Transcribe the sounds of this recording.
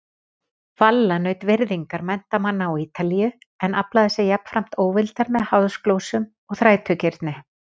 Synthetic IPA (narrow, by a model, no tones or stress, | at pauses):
falːanœːɥt̪vɪɾðiŋkaɾmɛn̥t̪amanːaawiːt̪alijʏ | ɛnaplaðɪsjɛɣjɛpn̥fɾam̥t̪oːwvɪlt̪aɾmɛðhawðsklowsʏm | ɔɣθɾaːjt̪ʰœcɪɾt̪nɪ